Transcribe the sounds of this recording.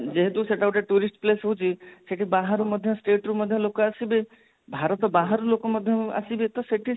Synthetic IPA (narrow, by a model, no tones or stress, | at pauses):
d͡ʒeɦet̪useʈawʈeʈuɾisʈplesɦut͡ʃʰiseʈʰibaɦaɾumɔd̪ʱjɔsʈeʈɾumɔd̪ʱjɔlokɔasibi | bʱaɾɔt̪ɔbaɦaɾulokɔmɔd̪ʱjɔa̰sibit̪ɔseʈʰi